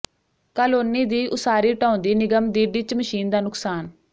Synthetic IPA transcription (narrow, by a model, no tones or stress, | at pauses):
kaːloːniːd̪iːʔʊsaːɾiːʈãːʊ̃nd̪iːnɪɡəmd̪iːɖiːt͡ʃməʃiːnd̪aːnʊksaːn